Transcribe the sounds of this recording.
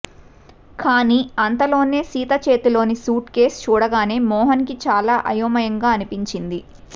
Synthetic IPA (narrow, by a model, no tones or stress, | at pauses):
kaːniːɐnt̪ɐlo̞ːne̞ːsiːt̪ɐt͡ʃeːt̪ulo̞ːnisuːʈke̞ːst͡ʃuːɽɐɡaːne̞ːmɔːɦɐnkit͡ʃaːlaːʔɐjoːmɐjɐŋɡaːɐnipiɲt͡ʃind̪i